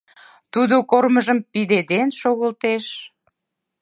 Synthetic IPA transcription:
t̪ud̪okorməʒəmpid̪ed̪enʃoɣəlt̪eʃ

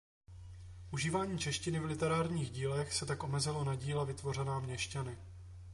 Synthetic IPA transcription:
ʔuʒiːvaːɲiːt͡ʃɛʃcɪnɪvlɪt̪ɛɾaːɾɲiːɣɟiːlɛxsɛt̪akʔo̞mɛzɪlo̞naɟiːlɛvɪt̪vo̞rɛnaːmɲɛʃcanɪ

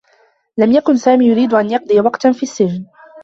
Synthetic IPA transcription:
lamjakʊnsaːmiːjʊɾiːd̪ʔanjɑq̚d̪ˤɨjawɑqt̪anfiːasːɪd͡ʒn

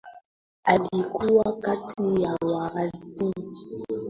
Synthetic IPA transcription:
alikʰuwakatʰijawaɣatim

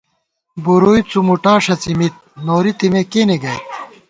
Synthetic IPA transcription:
buɾuːjt͡sumuʈaːʂɐt͡simit̪̚noːɾit̪imekeːneɡɐjt̪̚

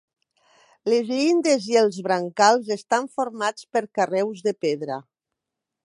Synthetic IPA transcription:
lezind̪ezielˠzβɾaŋkalˠzest̪aɱfoɾmat͡speɾkarɛwzðepeðɾa̰

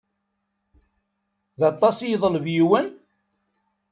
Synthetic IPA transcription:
ðɑt̪ˤːɑsjəðˤəlvjiwən

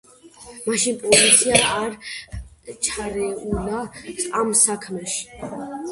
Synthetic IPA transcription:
maʃinpʼɔzit̪sʰiaːɾ | t͡ʃʰaɾɛulaamsakʰmɛʃi̥

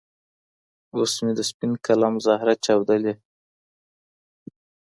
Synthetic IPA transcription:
osmed̪əspinkalɑmzɑɦɾat͡ʃɑwd̪əle

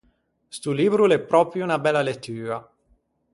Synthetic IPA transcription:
st̪uliːbɾulɛpːɾɔːpɾjuunabɛlːalet̪ːyːɾa

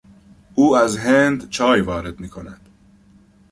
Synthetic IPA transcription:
ʔuːæzɦend̪t͡ʃʰɒːjvɒːɾe̞d̪̥miːkʰonæd̪̥

